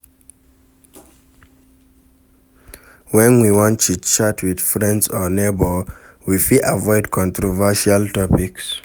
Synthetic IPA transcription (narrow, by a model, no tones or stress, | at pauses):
wɛ̃nwiwɔ̃ntut͡ʃatʰwið̥fɹɛ̃ndsɔnebɔ | wifiʔavɔɪdkʰɔ̃ntʰɹɔvɛʃaltɔpiks